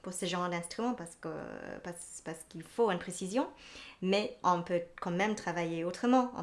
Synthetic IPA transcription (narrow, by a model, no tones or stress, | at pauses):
puʁsəʒɑ̃ʁd̪ɛ̃st̪χymɑ̃paʁskə̰paspaʁsə̥kilfoynpχesizjɔ̃mɛɔ̃pøkɑ̃mɛmt̪χavajeot̪χəmɑ̃ɔ̰̃